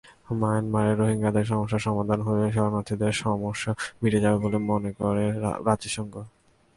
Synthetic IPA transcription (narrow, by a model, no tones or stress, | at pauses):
manmaɾeɾːoɦiŋɡad̪eɾʃɔmoʃːaʃɔmad̪ʱanɦoeʃɔɾnat̪ʰid̪eɾʃɔmoʃːamiʈed͡ʑabebolemonekoɾḛɾad͡ʑiʃɔŋɡo